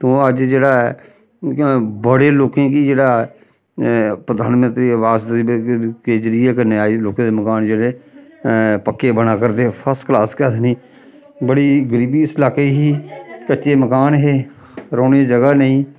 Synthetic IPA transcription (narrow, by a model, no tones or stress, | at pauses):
t̪õːəd͡ʒd͡ʒeːɽaː | bəɽeːloːkẽːkiːd͡ʒeːɽaː | pɾəd̪aːnmənt̪ɾiːəʋaːzd̪iːkeːd͡ʒɾiːɛːkəneaːiloːkẽːd̪eːməkaːnd͡ʒeːɽeː | pəkːeːbənaːkəɾd̪eːpʰəsʈklaːskɛt̪niː | bəɽiːɡəɾiːbiːslaːkeːɦiːkətːʃeːməkaːnɦeː | ɾoːneːd͡ʒəɡaːnəĩː